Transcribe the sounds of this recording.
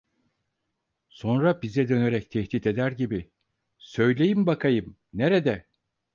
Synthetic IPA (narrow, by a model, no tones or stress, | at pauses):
so̞nɾabizɛd̪ø̞neɾɛct̪ʰɛht̪iːt̪e̞d̪æɾɟibi | sø̞jlʲe̞jimbakʰajɯm | neɾed̪ɛ